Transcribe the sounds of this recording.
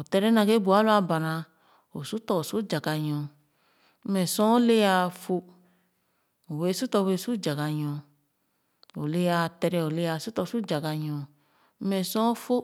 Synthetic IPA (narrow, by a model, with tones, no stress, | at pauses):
o˨tɛ˧ɾɛ˦nã˧ɡe˦bu˨a˨˦lu˦a˧ba˨ɾã˧ | o˨su˦tɔ˧o˨su˦d͡ʒa˨ɡa˧ɲɔ̃˧˦ | mɛ˧˨sɔ̃˦le˦a˧fo˧ | o˨we˨˧˦su˦tɔ˧we˧˨su˦d͡ʒa˨ɡa˧ɲɔ̃˧ | o˨le˦ja˧tɛ˧ɾɛ˧o˨le˦a˧˨su˦tɔ˧˨su˦d͡ʒa˨ɡa˧ɲɔ̃˧˦ | ɛ˧˨sɔ̃˦fo˦